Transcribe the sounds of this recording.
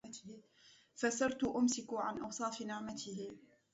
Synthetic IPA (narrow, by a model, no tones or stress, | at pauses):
fasɑɾˤt̪ʊʔʊmsɪkʊʕanʔɑwsˤɑːfnɪʕmat̪ɪhɪ